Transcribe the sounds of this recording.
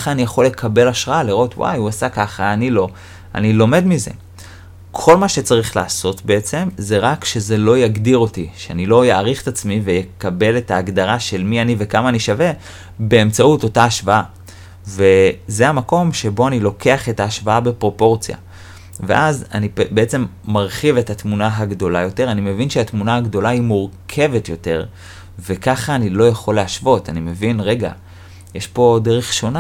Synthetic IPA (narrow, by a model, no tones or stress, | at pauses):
χaːnijaχo̞lːe̞kʰabe̞laʃʁaaliʁo̞twʔa̰juasakaχaːnilo̞ | a̰nilo̞me̞dmize̞̰ | kʰo̞lmaʃe̞t͡saʁiχlaːso̞tbeet͡se̞mze̞ʁakʃe̞ze̞lo̞jaɡdiʁo̞tiʃeanilo̞jaːʁiχetat͡smivejekabe̞le̞taːɡdaʁaʃe̞lmianive̞kamaːniʃave̞ | be̞emt͡sauto̞taːʃvaa | ve̞zeamako̞mʃe̞bo̞anilo̞ke̞aχe̞taːʃvaabepʁo̞po̞ʁt͡sja̰ | vḛʔaza̰nibeet͡se̞mːaʁχivethatmunaɦaɡdo̞lajo̞te̞ʁanime̞vinʃeatmunahaɡdo̞laimuʁkʰe̞ve̞tjo̞te̞ʁ | ve̞kaχaːnilo̞jaχo̞lːeaʃvo̞tanime̞vinʁe̞ɡa̰ | jeʃpo̞deʁeχʃo̞na